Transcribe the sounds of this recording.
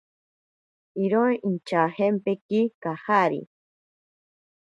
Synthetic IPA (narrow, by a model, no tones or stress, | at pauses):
iɾõʔint͡ʃahempekikahaɾḭ